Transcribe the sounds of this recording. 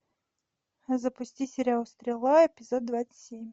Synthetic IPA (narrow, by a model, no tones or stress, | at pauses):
zɐpʊsʲtʲisʲɪɾʲaʊst̪ɾʲɪlˠaɛpʲɪzɔd̪̚d̪vat̪sə̥tsʲemʲ